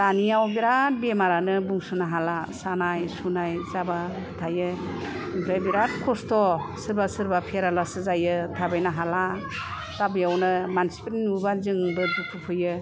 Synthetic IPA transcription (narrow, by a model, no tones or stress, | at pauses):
tanijawbiɾat̚bemaɾanɯbuŋsɯnaɦalasanajsunajzababɯtʰajɯ | ɯŋpʰɾajbiɾat̚kʰɔstɔsɯɾbasɯɾbapʰeɾalasɯzajɯtʰabajnaɦala | tabɯjawnɯmansi̥pitnubazɯŋbɯdupʰɯpʰɯjɯ